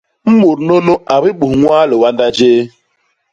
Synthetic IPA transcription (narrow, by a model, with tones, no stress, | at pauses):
m̩˦mu˨ɾno˦no˦ʔa˨ɾɪ˦ɓu˨ŋʷaː˦lo˨wa˦nda˦d͡ʒeː˦